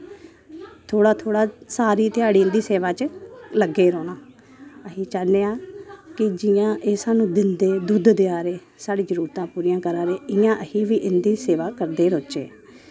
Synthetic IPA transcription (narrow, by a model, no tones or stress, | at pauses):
t̪ʰoːɽaːt̪ʰoːɽaːsaːɾiːt̪ɪaːɽiːɪnd̪iːseːʋaːt͡ʃləɡeːɾɔːnaː | əɦiːt͡ʃaːneːaːkɪd͡ʒɪjãːʔeːsaːnũːd̪ɪnd̪eːd̪ud̪d̪eaːɾeː | saːɽiːd͡ʒəɾuːɾt̪ãːpuːɾijãːkəɾaːɾeːɪjãːʔəhiːʋiːʔɪnd̪iːseːʋaːkəɾd̪eːɾot͡ʃḛː